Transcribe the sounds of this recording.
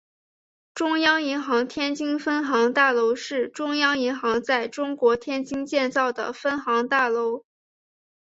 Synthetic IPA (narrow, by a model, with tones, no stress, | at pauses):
ʈ͡ʂʊ˥ŋjɑ˥ŋi˧˥ŋxɑ˧˥ŋt̪ʰjɛ˥nt͡ɕi˥ŋfə˥nxɑ˧˥ŋt̪a˥˩lo˧˥ʊʂɻ̩˥˩ʈ͡ʂʊ˥ŋjɑ˥ŋi˧˥ŋxɑ˧˥ŋt͡sa˥˩ɪʈ͡ʂʊ˥ŋkwɔ˧˥t̪ʰjɛ˥nt͡ɕi˥ŋt͡ɕjɛ˥˧nt͡sɑ˥˩ʊd̪ə̰˩fə˥nxɑ˧˥ŋt̪a˥˩lo˧˥ʊ